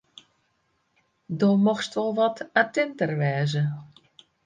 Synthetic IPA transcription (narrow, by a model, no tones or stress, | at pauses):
doːmɔxstʋɔlˠʋɔtatɪntərʋɛːzə